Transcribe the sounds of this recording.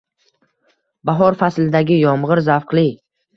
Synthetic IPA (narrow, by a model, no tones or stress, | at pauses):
baɦɒɾfasld̪aɡʲɪjɒmʁɨɾzafqlɪ